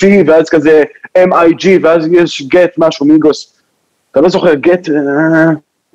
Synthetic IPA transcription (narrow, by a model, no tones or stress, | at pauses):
iveazkazeemajd͡ʒiveazjɛʃɡet̪maʃumiɡos | at̪alozo̞χeʁɡet̪